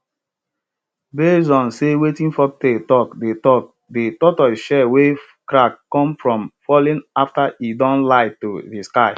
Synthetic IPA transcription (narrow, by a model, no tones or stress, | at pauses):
besɔ̃nsewetĩnfɔk̚tetɔkdetɔk | detɔtɔʃɛwe | kɾakːɔ̃mfɹɔ̃mfɔlĩnaftaidɔ̃nlaɪtuðiskaɪ